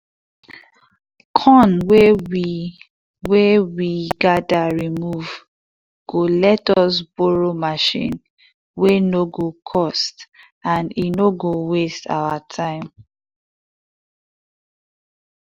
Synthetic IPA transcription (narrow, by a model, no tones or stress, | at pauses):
kʰɔ̃nwewi | wewiɡadaɹimuv | ɡ̥olɛtɔsboɹomaʃḭ̃n | wenoɡokʰɔst | ãninoɡowestʰa̰watʰãɪ̃m